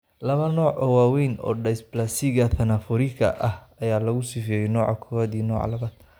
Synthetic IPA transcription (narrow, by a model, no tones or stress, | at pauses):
lɐβɐnɔːʕʔɔːwaːwɛjnɔ̰ːɖɐjsblasɪɣɐθɐnafɔɾɪkʰɐ̰ʔɐhɐjaːlɐɣʊsɪfɛjɛjnɔːʕɑkʰɔɐðiːnɔːʕ̰lɐβaːd̪̥